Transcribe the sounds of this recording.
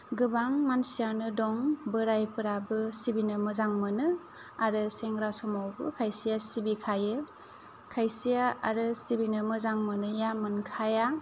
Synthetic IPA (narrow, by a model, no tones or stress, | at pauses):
ɡɯbaŋmansijanɯdɔŋbɯɾajpɯɾabɯsibinɯmɯzaŋmɯnɯ | aɾɯseŋɾasɔmawbɯ̰kʰajsijasibikʰajɯ | kʰajsijaaɾɯsibinɯmɯzaŋmɯnɯjamɯnkʰaja